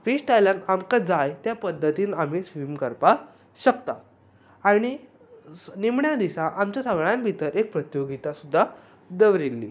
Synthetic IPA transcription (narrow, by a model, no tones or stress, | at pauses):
fisʈajlanamkad͡zajt̪japəd̪ʱːət̪iːnam̤iːsʋimkəɾpa | ɕəkt̪a̰ | aɽ̃i | nimɳjad̪isaʔamt͡ɕjasəɡɭjanbʱit̪əɾek̚pɾət̪joɡit̪asud̪ʱːa | d̪əʋɾilːḭ